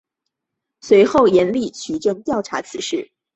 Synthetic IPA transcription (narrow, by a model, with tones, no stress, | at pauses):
swe˧˥ɪxo˥˩ʊjɛ˧˥nli˥˩t͡ɕʰy˨˧˥ʈ͡ʂɤ˥˧ŋt̪jɑ˥˩ʊʈ͡ʂʰa̰˧˥t͡sʰɹ̩˧˥ʂɻ̩˥˩